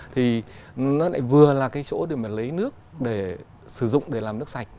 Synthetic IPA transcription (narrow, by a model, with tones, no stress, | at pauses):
t̪ʰi˨˩˨nɔ˨˦la̰ː˧˥˩jvɨ˨˩əlaː˨˩kaː˨˦jt͡ɕo̰˧˥ɗe˨˩ma˨˩lə˨˦jnɨ˦˥ək̚ɗe˧˩ | sɨ˧˩zʊ̰˧˨ŋ͡mɗe˧˩laː˨˩mnɨ˦˥əksa˨˩jk̟̚